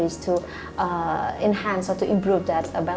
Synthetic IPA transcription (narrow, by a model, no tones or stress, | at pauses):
iztʰu | ɛ̃nhãnsɔtuʔĩmpɾuvd̪ætbɛ